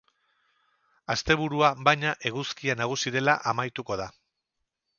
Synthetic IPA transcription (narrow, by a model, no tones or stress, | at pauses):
ast̪e̞βuɾuaβajɲaʔe̞ɣuskianaɣ̞usiðe̞laʔamajt̪uko̞ð̞a